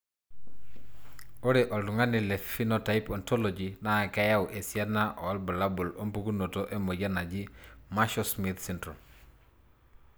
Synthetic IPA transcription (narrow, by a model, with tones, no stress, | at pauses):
o˦ɾeʔo˨ltu˨ŋa˦ni˨le˨fi˦notaipɔ˨ntolod͡ʒina˦˨ka˦ja˦wʔe˨siana˦ʔo˨lbu˨labu˨lo˦mpu˦ɡu˦no˨toʔe˦mo˨ɟana˨d͡ʒi˦maʃosmit̪sintɾo˨m